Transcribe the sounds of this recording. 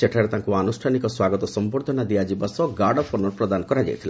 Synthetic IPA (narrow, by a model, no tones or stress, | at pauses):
t͡ʃeʈʰaɾet̪ãŋkuanusʈʰanikɔswaɡɔt̪ɔsɔmboɾd̪ʱɔnad̪iad͡ʒibasɔɡaɾɖɔpʰonɔɾɔpɾɔd̪anɔkɔɾad͡ʒa̰jt̪ʰila